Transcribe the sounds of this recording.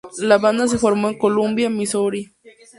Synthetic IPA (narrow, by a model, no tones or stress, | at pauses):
laβand̪as̬efoɾmaŋkolumbjamisoɾi